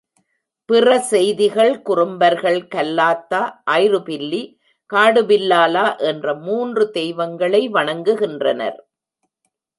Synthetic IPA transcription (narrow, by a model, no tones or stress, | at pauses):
pɪrɐsɛjðɪɣɐɭkʊrʊmbɐɾɣɐɭkɐlːaːt̪ːaːʔaːjrɯpɪlːi | kaːɽɯʋɪlːaːlaːʔɛndrɐmuːndrɯt̪ɛjʋɐŋɡɐɭɐɪʋɐɳɐŋɡɯɣɪndrɐnɐ̰ɾ